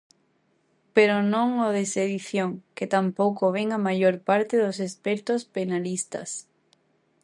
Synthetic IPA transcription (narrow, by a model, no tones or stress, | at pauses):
peɾonõŋoðeseðiθjoŋket̪ampowkoβ̞eŋamaʝoɾpaɾt̪eðosespeɾt̪ospenalist̪a̰s